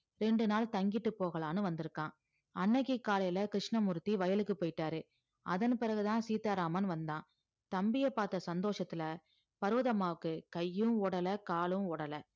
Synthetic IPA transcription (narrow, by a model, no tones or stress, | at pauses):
ɾɛɳɖɯnaːlt̪ɐŋɡɪʈːɯpːoːɣɐɭaːnɯʋɐnd̪ɯɾɯkːãː | ɐnːɐɣikːaːlɐjlɐkɾɪʂɳɐmʊɾɯt̪ːiʋɐjɐlɯkːɯpːoːjɪʈːaːɾɯ | ʔɐðɐnpɪɾɐɣɯt̪ãːsiːt̪aːɾaːmɐnʋɐnd̪ãː | t̪ɐmbɪjɐpːaːɾt̪ːɐsɐnd̪oːʂɐt̪ːɪlɐ | pɐɾoːðɐmaːʋɯkːɯkɐjːɯ̃ɔɽɐlɐkaːlɯ̃mɔɽɐlɐ